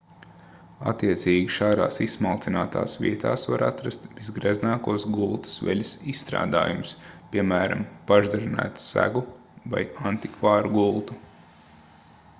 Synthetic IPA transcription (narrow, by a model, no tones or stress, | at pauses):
a̰t̪ːiɛt̪siːɡʲiʃaːɾa̰ːsismalˠt̪sinaːt̪a̰ːsʋʲḭɛt̪ʰaːsvaɾa̰t̪ɾast̪bizɡɾɛznaːkuɔsɡulˠt̪u̥sʋɛ̰lʲusissːt̪ɾa̰ːd̪a̰ːjumʊspʲiɛmæːɾa̰mpaʒd̪aɾinæ̰ːt̪u̥sæ̰ɡu | va̰jant̪ikvɑːɾuɡulˠt̪u